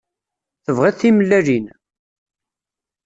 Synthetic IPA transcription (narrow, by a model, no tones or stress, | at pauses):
θəvʁeθiməlːælin